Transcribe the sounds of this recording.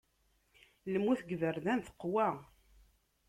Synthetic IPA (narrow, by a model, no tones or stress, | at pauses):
ləmːuθɡvəɾðænθə̥qːwæ